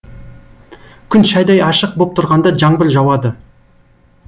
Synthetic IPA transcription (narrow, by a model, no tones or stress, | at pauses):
kʲʰʏnʃɑjd̪ɑjɑʃəq̚bop̚t̪ʰʊɾʁɑnd̪ɑd͡ʒɑɴbɪlʒɑwɑd̪ə